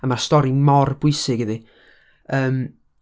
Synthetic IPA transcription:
əmastɔɾinmɔrbʊɨsɪɡɪði | əːm

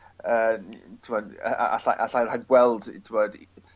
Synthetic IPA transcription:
əːtʰɪmɔd̰a̰a̰ɬaʔaɬajr̥haɡɡwɛlˠd̰tʰɪmɔd

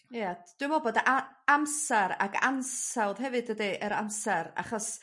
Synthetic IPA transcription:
jad̥wɪmɔbɔdaamsɛɾa̰ka̰nsawðɦɛvɨdədiʔəɾamsɛɾa̰χɔs

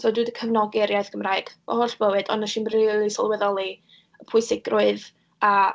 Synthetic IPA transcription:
soːdɨdəkʰəvnɔɡɛɾjajθɡ̥əmraːɨɡ̥b̥ɔ̰hɔɬb̥əwɨdɔnaʃɪmrilˠisɔ̰lˠwɛðɔlˠi | əpʰʊɨsɪɡrʊɨð | a

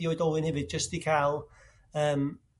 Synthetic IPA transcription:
jɔɨdɔːlˠɪ̃nhɛvɪd̚d͡ʒəstikʰalˠ | əːm

